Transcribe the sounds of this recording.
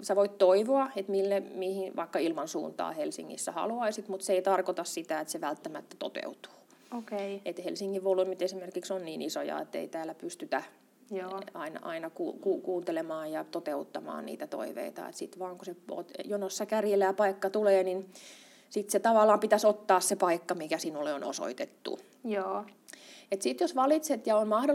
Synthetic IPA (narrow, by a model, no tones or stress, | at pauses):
seʋoit̪t̪oiʋoɑet̪milːemihinʋɑikːɑilmɑnsṵːnt̪ɑ̰ːhelsḭŋːḭsːæhɑ̰luɑisit̪mut̪seeit̪ɑrkot̪ɑssit̪æet̪seʋælt̪ːæmæt̪ːæ̥t̪o̰t̪ḛut̪u̥ː | okeet̪helsiŋːiʋʋolːuimyt̪esimerkiksonniːniso̰jɑ̰ḛt̪ːḛit̪æːlːæpyst̪yt̪æ | jɑinɑɑ̰inɑkṵːkuːkuːnt̪elemɑːjjɑt̪ot̪eut̪ːɑmɑ̰ːnnḭːt̪æt̪o̰iʋḛit̪ɑ̰ḛt̪sit̪ʋɑːŋkuseo̰t̪jonosːɑkærjelæːpɑikːɑt̪uleːnin | sit̪set̪ɑʋɑlːˑɑːmpit̪æsot̪ːɑːssepɑikːɑmikæsinulːeono̰so̰it̪et̪ːṵ | joː | et̪sit̪josʋɑlit̪set̪jɑonmɑhdo